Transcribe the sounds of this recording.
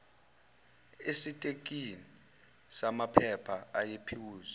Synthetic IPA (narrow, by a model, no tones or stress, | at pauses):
esitʼek̬ʼini | samapʰɛpʰaajepʰiwuːzɔ